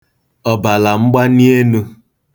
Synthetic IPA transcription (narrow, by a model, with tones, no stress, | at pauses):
ɔ˨ba˨la˨ŋ͡m̩˦ɡ͡ba˦ni˦e˦nu˦